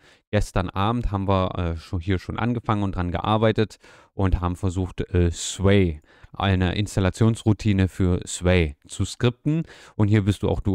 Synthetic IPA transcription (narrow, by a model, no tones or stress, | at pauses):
ɡ̥ɛstɐnʔaːbm̩thɦaːbm̩viːɐɛːʃohiːɐʃoːnʔa̰nɡəfaŋənʊntd̥ʁanɡə̰ʔa̰ːɐbaɪtət | ʔʊnthaːbm̩fɛɐzuːxtʔɛːsvɛɪ | ʔa̰ɪnəʔɪ̰nstalat͡sjoːnsʁutʰiːnəfyːɐsvɛɪt͡suskʁ̥ɪp̚tn̩ | ʔʊntɦiːɐvɪɐstd̥uːʔa̰ʊxd̥uː